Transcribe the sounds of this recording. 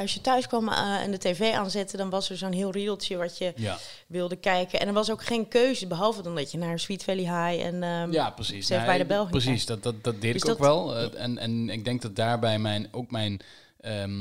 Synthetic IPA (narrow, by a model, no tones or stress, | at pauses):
ɔsjətœɥskʋɔm̰ndəteːveːʔa̰ːnzɪtədɔnʋɔsəɹzoːnɦiəlˠrilˠtsjəʋɔtjə | ʋɪlˠdəkɛjkənɛ̰ndəɹʋɔsowkχeːnkøːzəbəɦɔlˠvədɔndɔtjənaɹsʋitfɛliɦajɛ̰njaprəsisɛfbɛjdəbɛlˠxiəəs̬isddtdɔtdedɪskkʋɛlˠɛnɛnɪɡ̚dɛŋk̚dɔt̚daːɹbɛjmɛjnowkmɛjn | ə